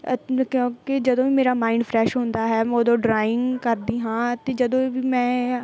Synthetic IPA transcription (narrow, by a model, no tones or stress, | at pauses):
kjõːkɪd͡ʒəd̪õːʋiːmeːɾaːmaːɪ̃ɳɖpʰɾɛːʃɦõːnd̪aːɦɛːmʊd̪õːɖɾaːɪ̃ŋɡkəɾd̪iːɦãːt̪eːd͡ʒəd̪õːʋiːmɛ̃ː